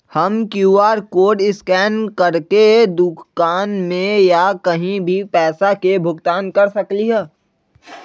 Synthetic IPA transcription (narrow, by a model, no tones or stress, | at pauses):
həmkjuːaːɾkoːɖɪskɛːnkɐɾked̪ʊkkaːnmẽjakɐɦĩbʱipɛːsakebʱʊɡt̪aːnkɐɾsɐkliɦɛː